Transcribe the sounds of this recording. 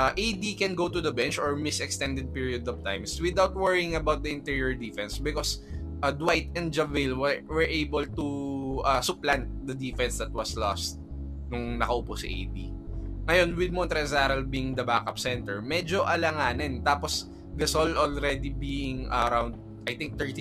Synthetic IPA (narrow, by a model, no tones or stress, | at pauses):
ʔaʔejd̪ikɛnɡowt̪ʊd̪ɐbɛ̃nt͡ʃɔɹmɪsɛkst̪ɛnd̪ɛd̪̚piɹiod̪ɔv̥t̪ã̰jmswɪd̪awt̪̚wɛɹiɪ̃ŋɐbawt̪̚d̪ɐɪ̃nt̪iɹiɛɹd̪ifɛnsbɪkosʔɐd̪wajt̪ɛ̃n̚d͡ʒɐvɪlwɛwɛɹʔejbɔlt̪uʔasʊplant̪̚d̪ɐd̪ifɛnsd̪ɐt̪̚wɐslɔ̰st̪̚ | nʊŋnɐkɐʔʊposḭʔḛjd̪iŋɐjonwɪd̪̚mɔnt̪ɾɛsaɾɐlbiŋd̪ɐbakɐpsɛ̃nt̪ɛɹmɛd͡ʒoʔɐlɐŋaːnɪnt̪aːpos | ɡɐsolʔolɾɛd̪ibiːɪ̃ŋɐɾawnd̪̚ | ɐjt̪ɪ̃ŋk̚t̪ɛɹt̪i